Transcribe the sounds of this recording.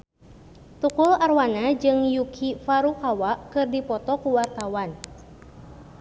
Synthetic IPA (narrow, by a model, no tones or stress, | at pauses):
t̪ukularwanad͡ʒɨŋjukʰifaɾukawaʔkɨrdipɔt̪ɔkuwart̪awan